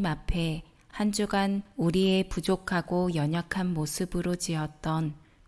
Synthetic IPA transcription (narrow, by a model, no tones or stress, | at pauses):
mapʰe̞ | hand͡ʑuɡanuɾie̞pud͡ʑokʰaɡojʌɲakʰanmosʰɯbɯɾot͡ɕiʌt̚t͈ʌn